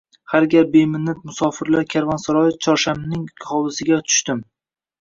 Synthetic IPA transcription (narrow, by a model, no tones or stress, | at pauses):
haɾɡʲap̚be̞mɪnːat̪mʊsɒfɪɾlaɾkʲʰaɾvansaɾɒjɪft͡ʃʰɒɾʃamnɪŋkʲʰɪχɒbɪsɪɡʲat̪ʰʊ̥ʃt̪ɪm